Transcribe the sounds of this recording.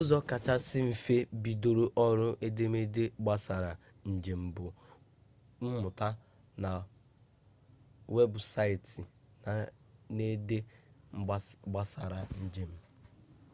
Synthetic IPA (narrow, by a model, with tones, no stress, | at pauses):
o˦zɔ˦ka˨t͡ʃa˦sɪ˦m̩˨fe˦bi˨do˨ɾo˦ʔɔ˦ɾʊ˦ʔe˦de˦me˦de˦ɡ͡ba˦sa˨ɾa˨ | n̩˨d͡ʒe˨m̩˨bʊ˨ | m̩˦mʊ˨ta˦ | na˨ | we˦bsa˦i˨ti˨ | na˨ | ne˦de˦ | ɡ͡ba˦sa˨ɾa˨n̩˦d͡ʒe˨m̩˦